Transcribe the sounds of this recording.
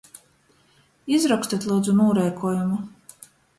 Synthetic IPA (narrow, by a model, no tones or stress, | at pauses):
izɾɔkst̪at̪ʲlˠuːd̪zunuːɾɛjkʰuɔjumu